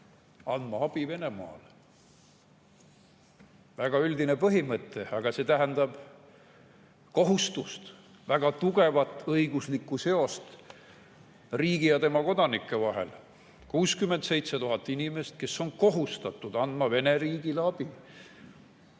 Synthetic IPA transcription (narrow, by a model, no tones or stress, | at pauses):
ɑnd̪̥mɑɑb̥ive̞ne̞mɑ̰ːl | væɡ̥ɑyld̪inepɤɦimɤt̪ːˑe̞ɑɡ̥ɑse̞ːt̪æɦænd̪ɑb̥ | ko̞ɦust̪ust̪ | væɡ̥ɑt̪uɡe̞vɑt̪ːˑɤjɡ̥uslikːˑuse̞o̞st̪ | riːɡ̥ijɑt̪e̞mɑko̞d̪̥ɑnikːˑe̞vɑɦe̞̰l | kuːskymːe̞nd̪se̞jt̪set̪uɦɑt̪ːˑinime̞st̪̚ke̞sːo̞nko̞ɦust̪ɑt̪ːˑud̪ɑnd̪̥mɑve̞ne̞ɾiːɡ̥ileɑb̥i